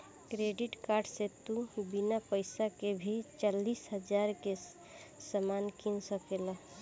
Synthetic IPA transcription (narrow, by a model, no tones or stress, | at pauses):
kɾeɖiʈkaɾɖset̪ubinapəɪsakebʱit͡ʃalːisɦəd͡ʒaɾke | səmankinsəkelə